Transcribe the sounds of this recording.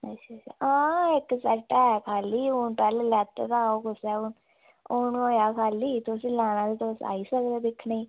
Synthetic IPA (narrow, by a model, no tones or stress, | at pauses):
ət͡ʃat͡ʃa̰ãːɪksɛʈɛːkʰaːliːʊnpɛːllɛːt̪ḛːt̪aːokʊsɛːʊn | ʊnoːjaːkʰaːliːt̪osĩːlaːñãːd̪et̪osa̰ːiːsəkd̪eːd̪ɪkʰːnaiː